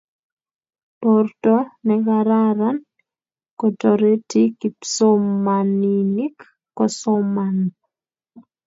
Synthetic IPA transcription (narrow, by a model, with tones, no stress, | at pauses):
pɔ˨rtɔ˦nɛkaɾaɾa˦n | ko˨tɔɾe˦ti˦ki˨psomːanini˦kː | ɔ˨sɔman